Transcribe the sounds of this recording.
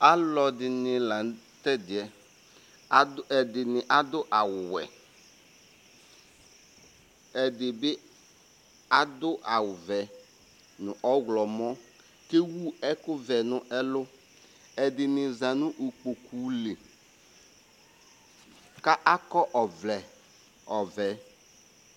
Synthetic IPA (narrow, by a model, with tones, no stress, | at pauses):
a˦lɔ˨dɪ˨nɪ˨la˨ | t̪ɛ˦dɪ˨ɛ˨˦ | ɛ˨dɪ˨nɪ˨ʔa˦d̪ʊ˦ʔa˨wʊ˨wɛ̰˨ | ɛ˨dɪ˨bɪ˦ | a˦d̪ʊ˦ʔa˨wʊ˨vɛ˨ | nʊ̃˨ʔɔ˦ɣlɔ˨mɔ̃˦ | ke˦wu˦ɛ˦kʊ˦vɛ˨nʊ̃˨ʔɛ˦lʊ˦ | ɛ˨dɪ˨nɪ˨zã˨nʊ̃˦ʔu˨k͡po˨kʰu˨le˨ | ka˦ʔa˦kɔ˦ʔɔ˨vlɛ˨ | ɔ˨vɛ˨